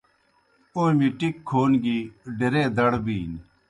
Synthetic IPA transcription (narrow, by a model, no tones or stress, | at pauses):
oːmiʈikʰːoːnɡiːɖeɾeːd̪ɐɽbiːn